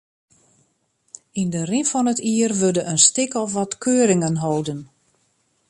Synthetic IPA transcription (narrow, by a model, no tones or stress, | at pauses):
indərinfɔnətiːərʋødəʔənstɪkɔfʋɔtkʰøːɾɪŋənɦowdən